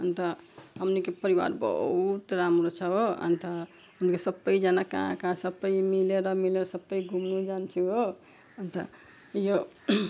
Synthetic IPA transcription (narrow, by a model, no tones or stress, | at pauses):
ənt̪əɦəmnikepəɾiwa̰ɾbə̰ɦut̪ɾamɾɔt͡ʃʰəoə̰nt̪ə | unkesəbəjd͡ʒanakã̰kãsəbəjmileɾʌmileɾsəbːəjɡʱumnud͡ʒant͡ʃʰio | ənt̪ə | jo